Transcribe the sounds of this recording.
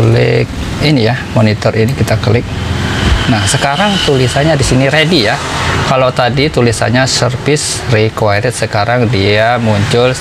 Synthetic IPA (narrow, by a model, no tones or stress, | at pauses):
lɪ̰k̚ | inijamonit̪ərʔinikit̪akəlɪk̚ | nahsəkaɾaŋt̪ulisaɲadisiniɾedijakalot̪adit̪ulisa̰ɲasərfɪs | rikwajɾɪt̪̚səkaɾaŋdiamuɲt͡ʃʊl